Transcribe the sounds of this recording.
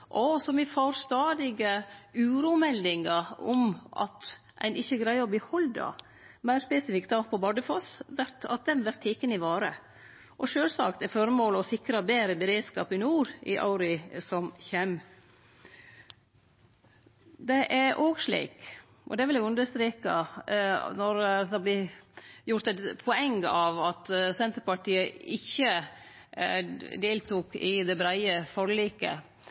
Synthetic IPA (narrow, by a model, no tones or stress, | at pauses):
ʔɔsɔmʋɪfoɾst̪ɑːd̪ɪɡəʉːɾuːmɛlːɪŋɑɔ̰mʔɑ̰t̪ | ʔæ̰ɪnɪçːəɡɾæɪɔbliːhɔld̪ɑ̰ | mæɪɾspɛsɪfɪkt̪̚d̪ɑːpʰɔbɑɖ̪əfɔsʋæɾt̪ɑ̰t̪̚d̪ɛnʋæɾt̪ʰːiːkːənɪʋɑːɾə | ʔɔʃøːlsɑ̰kt̪ɛɾfɔɾmoːləɔsɪkɾɑbeːɾəbəɾeːd̪skɑ̰ːpɪnuːɾɪ̰ʔɑ̰ʊɾɪsɔmçɛm | d̪ɛʔæɾʔoːɡʂɭḭːk | ʔɔ̰d̪ɛʋɪlɛɡʉnd̪əɾst̪ɾiːkɑ | nɔɾd̪ɑblɪjʊɾt̪ɛt̪pʰɔɛŋɡɑʋɑt̪sɛnt̪ɾpɑʈiːəɪçːə | d̪eːlt̪ʰuːkɪd̪ɛbɾæɪəfɔɾliːkə̰